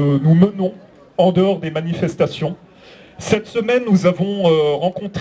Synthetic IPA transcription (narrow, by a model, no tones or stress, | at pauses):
numənɔ̃ | ɑ̃d̪əɔʁd̪emanifɛst̪asjɔ̃ | sɛt̪səmɛnːuzavɔ̃øʁɑ̃kɔ̃t̪χ